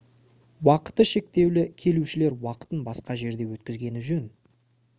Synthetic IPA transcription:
wɑqə̥t̪əʃe̞k̚t̪e̞wlɪkʲʰe̞luʃɪle̞ɾwɑqə̥t̪ənbɑsqɑʒe̞ɾd̪e̞wɵt̪̚kʲɪzɡʲe̞nɪʒɵn

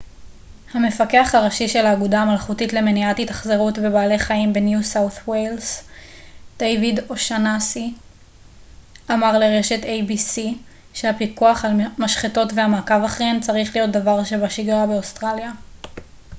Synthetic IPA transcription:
hame̞fake̞aχaʁaʃiʃe̞laːɡudamalχutitle̞meniatitḁχzeʁutbe̞baːleχaimbe̞njusawθwels | d̪̥ejvidoʃanasi | ʔamaʁle̞ʁe̞ʃe̞tejbisi | ʃeapikuaχalmaʃχeto̞tvehamaːkavaχʁent͡saʁiχlijo̞t̚d̪avaʁʃe̞baʃiɡʁabeostʁalja

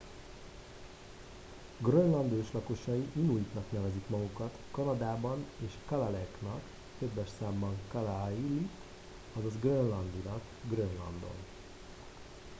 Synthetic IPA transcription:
ɡrønlɒnd̪øːʃlɒko̞ʃɒjiʔinujik̪nɒknɛvɛzikmɒɡukɒt̪kɒnɒd̪aːbɒneːʃkɒlalɛknɒk | t̪ø̞bːɛʃsaːmbɒŋkɒlaili | ɒzɒzɡrønlɒnd̪ulɒk | ɡrønlɒ̰nd̪o̞̰n

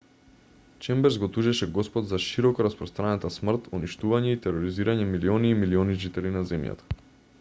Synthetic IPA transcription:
t͡ʃɛmbɛɾzɡɔt̪uʒɛʃɛɡɔspɔd̪zaʃiɾɔkɔɾaspɾɔst̪ɾanat̪asmr̩t̪uniʃt̪uvaɲɛit̪ɛɾɔɾiziɾaɲɛmiliɔniːmiliɔniʒit̪ɛlinazɛmja̰t̪ḁ

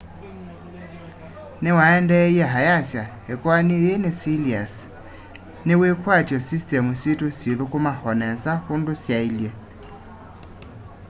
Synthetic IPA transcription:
newaɛndɛiɛɦajasjahɛkwaniːnesilias | newekwatjɔsistɛmusetosjeðokomahɔnɛsahondosjailjɛ

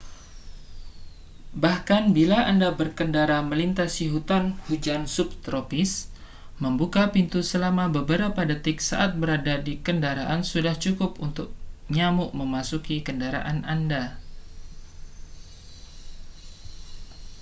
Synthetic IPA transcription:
bahkanbilaandabərkəndaɾaməlint̪asiɦut̪anhud͡ʒansʊp̚t̪ɾopɪs | məmbukapint̪usəlamabəbəɾapadət̪ɪk̚sa̰ʔat̪̚bəɾadadikəndaɾaʔansudaht͡ʃukʊpunt̪ʊk̚ɲamʊʔməmasukikəndaɾa̰ʔananda

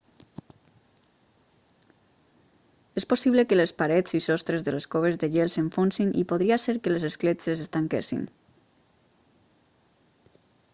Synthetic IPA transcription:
esposiβləkəlespaɾɛt͡sisɔst̪ɾezðəleskoβ̞ezðəʎelˠseɱfonsinʔḭpoðɾiaseɾkəlezesklet͡sesest̪aŋkḛsḭn

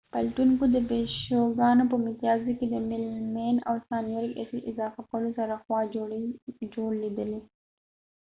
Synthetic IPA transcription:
palʈuŋkod̪əpeʃoɡɑnop̬əmɪt̪ijɑziked̪əmɪlmena̰wsɑnjaɾika̰siʔɪzɑfakolosaɾaxwɑ | d͡ʒoɽled̪əle

